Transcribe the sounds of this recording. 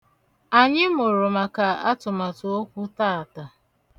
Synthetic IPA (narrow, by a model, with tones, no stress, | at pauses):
a˨ɲɪ˦mʊ˨ɾʊ˨ma˨ka˨a̰˦tʊ˨ma˨to˦o˦kʷʊ˦ta˦a˨ta˨